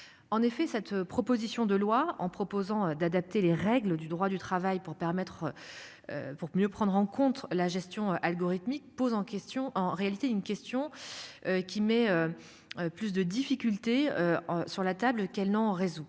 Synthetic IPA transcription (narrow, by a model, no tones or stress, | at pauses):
ɑ̃nefɛsɛt̪pχɔpozisjɔ̃d̪əlwaɑ̃pχɔpozɑ̃ød̪ad̪ap̚t̪eleʁɛɡləd̪yd̪ʁwad̪yt̪χavajpuʁpɛʁmɛt̪χ | puʁmjøpχɑ̃d̪ʁɑ̃kɔ̃t̪laʒɛst̪jɔ̃øʔalɡɔʁit̪mik̚pozɑ̃kɛt̪ɔ̃ʔɑ̃ʁealit̪eynkʲɛst̪jɔ̃økʲimɛø | øplys̬d̪əd̪ifikʲylt̪eøsyʁlat̪ablkɛlnɑ̃ʁezu